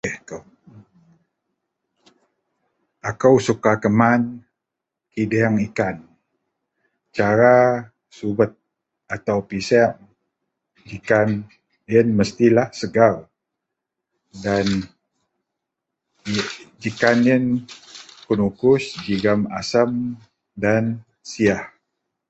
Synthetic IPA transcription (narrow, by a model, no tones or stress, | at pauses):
əhkəw | akəwsukakəman | kidɛŋikan | t͡ʃaɾa | subət̪̚ | at̪awpisɛʔ | d͡ʒikan | ənməst̪ilahsəɡaw | dan | d͡ʒikanən | kunukʊsd͡ʒiɡamasəm | dan | siah